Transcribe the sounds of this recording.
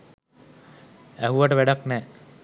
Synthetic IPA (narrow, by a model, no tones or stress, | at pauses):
æɦuʋaʈəʋæɖaknɛː